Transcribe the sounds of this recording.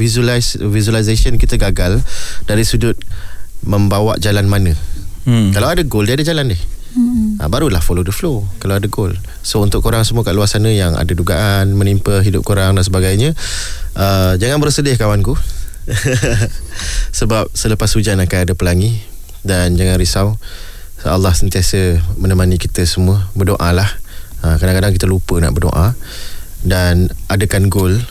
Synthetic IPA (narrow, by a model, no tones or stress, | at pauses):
vizvizualizasiənkit̪əɡaɡald̥aɾisudʊt̪̚mə̃mbawa̰ʔd͡ʒalanmãnə̃ | kalawadaɡoldiadad͡ʒalandɪh | ʔə̰baɾulahfolodəflokalawadaɡol | sount̪ʊʔkːoɾaŋsəmuaka̰ʔluasanə̃jaŋa̰daduɡaʔanmə̃nimpəɦidʊp̚koɾaŋdansəbaɡajɲə̃ʔəd͡ʒaŋanbərsədɪhkawanku | səbap̚sələpasud͡ʒanakajadəpəlaŋi | dand͡ʒaŋanɾisaw | a̰lːahsənt̪iasəmənəmanikit̪əsəmuəbərdoʔalahəkadaŋkadaŋkit̪əlupəna̰ʔbərdo̰ʔa | danadəkanɡʊl